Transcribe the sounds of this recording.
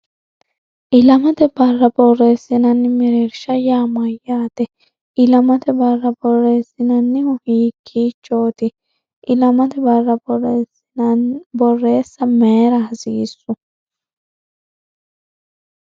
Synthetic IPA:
ʔɪlɐmɐt̪ɛbɐrːɐbɔrːeːsːɪnɐnːɪmɪɾeɾʃɐjaːmɐjːaːt̪ɛ | ʔɪlɐmɐt̪ɛbɐrːɐbɔrːeːsːɪnɐnːɪhʊhiːkʰːiːt͡ʃːoːt̪ɪ | ʔɪlɐmɐt̪ɛbɐrːɐbɔrːeːsɪnɐnbɔrːe̞ːsːɐmeːɾɐhɐsiːsːʊ

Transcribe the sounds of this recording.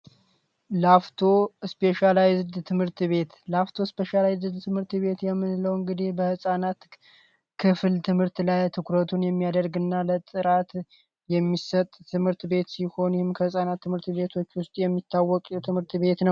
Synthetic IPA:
laft̪ʰo̞spʰe̞ʃalajzd̪t̪ʰɨmhɨɾt̪βe̞t̪laft̪ʰo̞speʃalajzd̪t̪ʰɨmhɨɾt̪βe̞t̪jɛmːɨnləwɨŋɡɨd̪ihbəhɨsʼanat̪ | kʰɨfɨlt̪ʰɨmhɨɾt̪lajt̪ʰɨkʰɾət̪ʰunjɛmːijad̪əɾɡɨnːalət̪ʼɨɾat̪ | jɛmːisət̪ʼʰːɨmhɨɾt̪be̞t̪siho̞njɛhɪmkʰəhɨsʼanat̪ːɨmhɨɾt̪βe̞t̪ʰo̞t͡ʃːwʊst̪ʼjɛmːit̪ʰːawːɔkʼɛt̪ʰɨmhɨɾt̪βe̞t̪nəw

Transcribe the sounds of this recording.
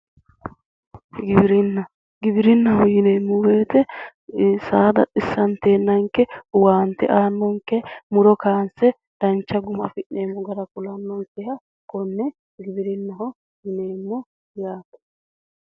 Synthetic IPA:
ɡɪbɪɾɪnːɐ | ɡɪbɪɾɪnːɐhɔjɪne̞ːmːɔbeːt̪ɛ | saːd̪ɐ̰tʼɪsːɐnt̪e̞ːnːɐŋkɛwaːnt̪ːɛ̰ʔaːnːɔŋkːɛmʊɾɔkaːnsɛ | d̪̥ɐnt͡ʃːɐɡʊmɐfɪʔːeːmːɔɡɐɾɐkʊlɐnːɔŋkɛhɐ | kɔnːɛ | ɡɪbɪɾɪnːɐhɔ | jɪneːmːɔ | jaːt̪ɐ̥

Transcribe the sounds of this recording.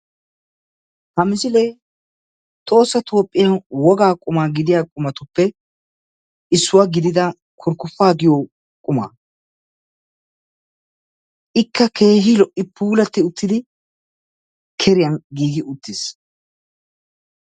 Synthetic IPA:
hɐmɪsɪlej | t̪ʼo̞ːsːɐt̪ʰo̞ːpʼːɪjɐnwɔɡaːkʼʊmaːɡɪd̪ɪjaːkʼʊmɐt̪ʊpːɛ | ʔɪsːʊwaɡɪd̪ɪd̪ɐ | kʰʊɾkːʊfːaːɡɪjoː | kʼʊma̰ː | ʔɪkːɐke̞ːɦɪlɔʔɪpʰuːlɐt̪ːɪʊt̪ːɪd̪ɪ | kʰɛɾɪjɐnɡiːɡɪʔʊt̪ːɪs

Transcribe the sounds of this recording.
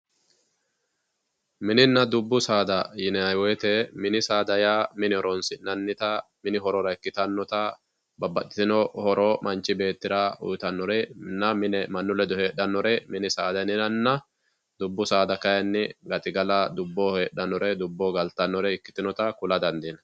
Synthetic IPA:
mɪnɪnːɐd̪ʊbːʊsaːd̪ɐjɪnɐjwɔt̪ɛmɪnɪsaːd̪ɐjaːmɪnɪhɔɾɔnsɪnɐnːɪt̪ɐ | mɪnɪɦɔɾɔɾɐɪkːɪt̪ɐnːɔt̪ɐ | bɐbːɐt̪ːɪ̥t̪ɪnɔhɔɾɔmʔɐnt͡ʃːɪbe̞ːt̪ːɪɾaʊ̰jt̪ɐnːɔɾɛnːɐmɪnɛmɐnːʊlɛd̪ɔheːɗːɐnːɔɾɛmɪnɪsaːd̪ɐnɪnɐnːɐ | d̪ʊbːʊsaːd̪ɐkɐjɐnːɪɡɐt̪ʼɪɡɐlɐd̪ʊbːoheːɗːɐnːɔɾɛd̪ʊbːoːɡɐlt̪ːɐnːɔɾɛɪkːɪ̥t̪ɪnɔt̪ɐkʊlɐd̪ɐnd̪iːnɐ

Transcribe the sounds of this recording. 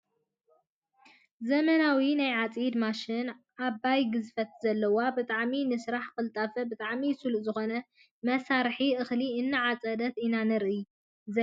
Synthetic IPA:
zɐmɐnawinajʕat͡sʼjid̪maʃɪn | abːajɡɨzfɐt̪̚zɐlːɐwabɨt̪ʼaʕminɨsɾaħkɨlt̪ʼɐfɐbɨt̪ʼaʕmisuluzɨxo̞nɐ | mɐsaɾħiʔɨxliɨnːɨʕat͡sʼɐd̪ɐt̪inanɨɾʔɨj | zɐ

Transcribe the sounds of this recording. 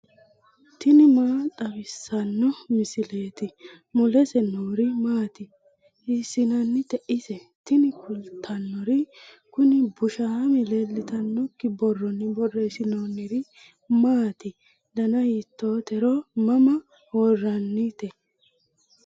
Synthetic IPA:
t̪ɪnɪmaːt̪ʼɐbɪsːɐnːɔmɪsɪle̞ːt̪ɪ | mʊlɛsɛnoːɾɪmaːt̪ɪ | ɪsːɪnɐnːɪt̪ɛʔɪsɛ | t̪ɪnɪkʰʊlt̪ʰɐnːɔɾɪ | kʊnɪbʊʃaːmɪleːlːɪt̪ɐnːɔkːɪbɔrːɔnːɪbɔrːɛsɪnoːnːɪɾɪ | maːt̪ɪ | d̪ɐnɐjit̪ːoːt̪ɛɾɔmɐmɐ | hɔrːɐnːɪt̪ɛ

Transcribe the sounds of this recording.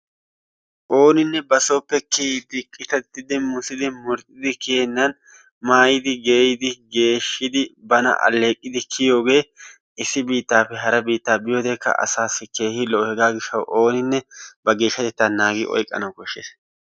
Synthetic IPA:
ʔo̞ːnɪnːɛbɐso̞ːpːɛked̪ɪkʼːɪt̪ɐt̪ːɪd̪ɪmʊsɪd̪ɪmʊɾt̪ʼːɪd̪ɪkeːnːɐn | maːjɪd̪ɪɡe̞ːjɪd̪ɪɡe̞ːʃːɪd̪ɪbɐnɐ̰ʔɐ̰lːe̞ːkʼːɪd̪ɪkʰɪjo̞ːɡe̞ː | ɪsːɪbiːt̪ːaːpːɛɦɐɾɐbiːt̪ːaːbɪjoːd̪eːkːɐ̰ʔɐ̰saːsɪke̞ːhɪlɔhɛɡaːɡɪʃːɐwʔo̞ːnɪnːɛbɐɡe̞ːʃːɐt̪ɛt̪ːaːnaːɡɪʔɔ̰jkʼːɐ̰nɐwkɔʃːḛːs

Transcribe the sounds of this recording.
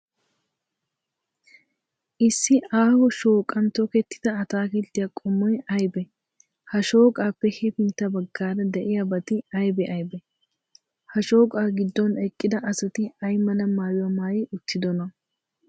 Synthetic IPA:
ʔɪsːɪaːhɔʃo̞ːkʼɐnt̪ɔkɛt̪ːɪ̥d̪̥ɐɐt̪aːkɪt̪ːɪjakʼɔmːɔjɐjbɛ | hɐʃo̞ːkʼaːpːɛhɛpɪnt̪ːɐbɐɡːaːɾɐd̪ɛʔɪjɐbɐt̪ɪɐjbɛʔɐjbɛ | hɐʃo̞ːkʼaːɡɪd̪ːɔnɛkʼːɪd̪ɐʔɐsɐt̪ɪɐjmːɐnɐmaːjʊwɐmaːjɪʔʊt̪ʰːɪd̪ɔnɐ

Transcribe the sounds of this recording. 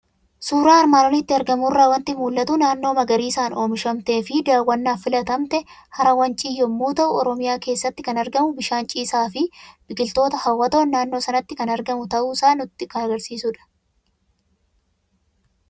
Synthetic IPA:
suːɾaːɐɾmaːnoːnɪt̪ːɪɐɾɡɐmʊrːaːwɐnt̪ɪmuːlːɐt̪ʊnaːnːo̞ːmɐɡɐɾiːsaːno̞ːmɪʃɐmt̪e̞ːfɪd̪aːwːɐnːaːfɪlɐt̪ɐmt̪ɛ | hɐɾɐwɐnt͡ʃʼɪjːɔmːuːt̪ɐʔʊɔɾɔmɪjaːke̞ːsːɐt̪ːɪkɐnɐɾɡɐmʊbɪʃaːnt͡ʃʼiːsaːfɪb̥ɪkɪlt̪o̞ːt̪ɐhɐwːɐt̪o̞ːnːaːnːo̞ːsɐnɐt̪ːɪkɐnɐɾɡɐmʊt̪ɐʔuːsaːnʊt̪ːɪkɐɐɡɐɾsiːsʊᶑɐ̥

